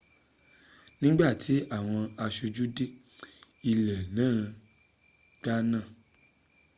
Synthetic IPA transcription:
nĩ˦ɡ͡ba˦˨ti˨˦ʔa˦˨w̃ɔ̃˧a˧ʃu˧d͡ʒu˦de˦ | i˧lɛ˨nãː˦˨ | ɡ͡ba˦nãː˦˨

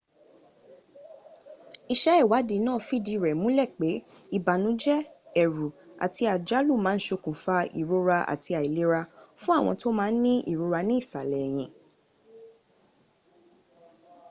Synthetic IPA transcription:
i˧ʃɛ˦ɛ˦˨wa˨˦di˨˧˦nãː˦˨fi˦di˧ɾɛ˨mũ˨˦lɛ˦˨k͡pe˨˦ | i˦˨ba˨nũ˨˦d͡ʒɛ˦ɛ˨ɾu˨a̰˨ti˧a˨d͡ʒa˨˦lu˦˨mãː˦n̩˦ʃo˧kũ˨fa˧ḭ˨ɾo˧ɾa˧ʔa̰˨ti˧a˨i˨le˨˦ɾa˧fũ˦a˦˨w̃ɔ̃˧to˦mãː˦˧˦n̩˦nĩ˦ʔḭ˦˨ɾo˧ɾa˧nĩ˦i˦˨sa˨lɛ˨j̃ĩ˧˨

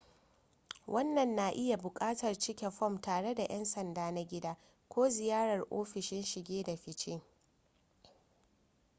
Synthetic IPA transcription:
wʔɐ˦nːɐ˨nːa˨ʔɪ˦ja˨bʊ˨kʼaː˦tɐ˨rt͡ʃɪ˦kʲɛ˨ɸɔ˦˨mtaː˨ɽe˦da˨j̰ʔɛ˦nsɐ˨ndaː˦na˦ɡʲɪ˦daː˦ | kʷoː˦zɪ˨jaː˦ɽɐ˨rʔo̰ː˦ɸɪ˨ʃɪ˦nʃɪ˨ɡʲeː˦da˨ɸɪ˨t͡ʃe˦

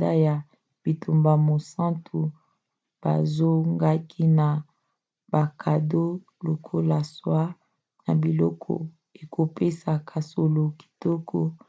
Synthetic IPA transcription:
da˦ja˨ | b̥i˨tʰu˨mba˨mo˨sã˦ntu˨ | b̥a̰˨zo˦ŋɡa˦kʰi˦na˨ | ba˨kʰa˨do˦ | lo˨kʰo˦la˨swa˦ | na˨bi˨lɔ˦kʰɔ̰˨ | e˨kʰo˨pe˦sa˨kʰa˨so˨lo˨ki̥˨tɔ˦kʰɔ˦

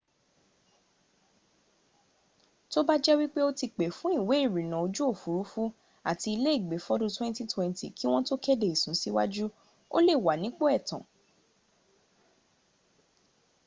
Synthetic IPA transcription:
to˦ba˦d͡ʒɛ˦wi˦k͡pe˦o˦ti˧k͡pe˨fũ˨˦i˦˨we˨˦i˦˨ɾĩ˨nã˨o˧d͡ʒu˦o˦˨fu˨˦ɾu˨˦fu˦ | a̰˦˨ti˧i˧le˦i˦˨ɡ͡be˨˦fɔ˦dũ˦twɛ̃˦nti˦twɛ̃˦nti˦˨kʰi˦w̃ɔ̃˦to˦kɛ˦de˦˨i˨sũ˨˦si˦wa˦d͡ʒu˦ | o̰˦le˦˨wa˨nĩ˦k͡po˦ɛ˦˨tã˨

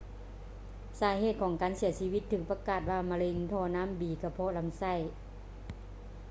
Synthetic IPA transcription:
saː˨˦ɦeː˧˩t̪̚kʰɔː˨˦ŋkaː˨nsi˨˩˦ɐsi˧ʋi˧˥t̪ʰːɯː˧˩k̚pa˧kaː˨˧˩t̪̚waː˧˩ma˧le˧ŋt̪ʰɔː˧˨naː˧˥˨mbiː˨˩ka˧˩pʰɔ˧˥la˧˥msa˧˥˨j

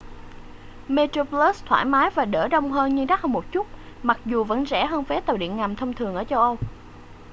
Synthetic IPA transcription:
me˧t̪ɾo˧pləː˦˥st̪ʰwaː˧˩jmaː˨˦jvaː˨˩ɗəː˧˩ɗə˧wŋ͡mɦəː˧nɲɨ˧ɗa˦˥k̚hə˧wmo˨˩t̚t͡ɕu˦˥t̚ | ma˨˩k̚zu˨˩və̰˧˥nzɛ̰˧˩ɦəː˧nfe˨˦t̪ə˨˩wɗḭ˧˨ənŋa˨˩mt̪ʰə˧wŋ͡mt̪ʰɨ˨˩əŋʔəː˧˩t͡ɕə˧wʔə˧wŋ͡m

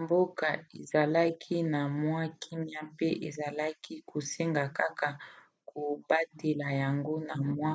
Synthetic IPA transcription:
mbo˦ka˨e˨za˨la˦kʰi˦na˨mwa˦kʰi˦mja˦pe˦ʔe˨za˨la˦ki˦kʰo˨se˦ŋɡa˨ka˦ka˨ | ko˨ba˦te˨la˨ja˨ŋɡo˦na˨mwa˦

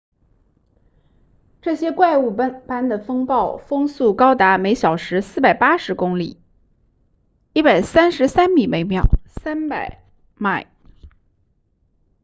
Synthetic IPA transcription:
ʈ͡ʂɤ˥˩ɕjɛ˥kwa˥˧ɪu˥˩˥pa˥nd̪ə˨fɤ˥ŋpɑ˥˩ʊfɤ˥ŋsu˥˩kɑ˥ʊt̪a˧˥me˧˥ɪɕjɑ˨˩ʊʂɻ̩˧˥sɹ̩˥˩pa˨˩ɪpa˥ʂɻ̩˧˥kʊ˥ŋlḭ˨˩ | i˥˩pa˨˩ɪsa˥nʂɻ̩˧˥sa˥nmi˨˩me˧˥ɪmjɑ̰˨˩ʊsa˥npa˨˩ɪ | ma˥˩ɪ

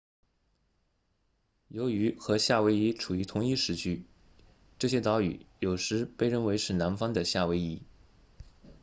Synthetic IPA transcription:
jo˧˥ʊy˧˥xɤ˧˥ɕja˥˩we˥ɪi˥ʈ͡ʂʰu˨˩y˧˥t̪ʰʊ˧˥ŋi˥˧ʂɻ̩˧˥˩t͡ɕʰy˥ | ʈ͡ʂɤ˥˩ɕ̬jɛ˥t̪ɑ˧˥ʊy̰˨˩˦jo˨˩ʊʂɻ̩˧˥pe˥˧ɪɻə˥˩nwe˧˥ɪʂʰɻ̩˥˩na˧˥nfɑ˥ŋd̪ə˨ɕja˥˩we˧˥ɪi˧˥˩

